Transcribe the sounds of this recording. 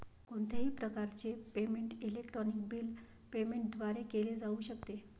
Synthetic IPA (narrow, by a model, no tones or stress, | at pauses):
koɳt̪ʰeɦiːpɾəkaɾt͡sepemeɳʈilekʈɾɔnik̚biːl | pemeɳʈ̚d̪ʱʋaɾekeled͡zauːɕəkt̪e